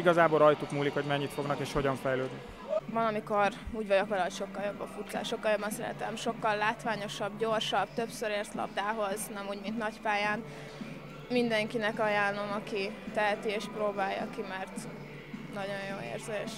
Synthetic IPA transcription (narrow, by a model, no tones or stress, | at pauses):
iɡɒzaːbo̞lɾɒjt̪ukmuːlikho̞ɟmɛɲːit̪fo̞ɡnɒkeːʃho̞ɟɒɱfɛjløːd̪ni | vɒnɒmiko̞ruːɟvɒɟokʋɒlɒɦo̞cʃo̞kːɒljo̞bːɒfut̪sa̰ːʃo̞kːɒljo̞bːɒnsɛ̰ɾɛ̰t̪ɛmʃo̞kːɒlːaːt̪ʋaːɲo̞ʃɒbɟo̞rʃɒbt̪øpsøɾeːrt̪lɒ̰b̚d̪aːɦo̞znɛmuːɟmint̪nɒcpaːjaːn | mind̪ɛŋkinɛkɒjaːno̞mɒkit̪ɛɦɛt̪ieːʃprɾoːbaːjːɒ̰kimɛrt̪ | nɒɟo̞ɲjjoːḛːrzeːʃ